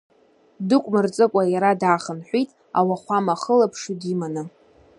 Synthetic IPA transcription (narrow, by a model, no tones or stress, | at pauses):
dɨkʷʼmɨrt͡sʼɨkʷʼajaɾadaːχənħʷitʼ | a̰waχʷamaχəlapʰʂudimanɨ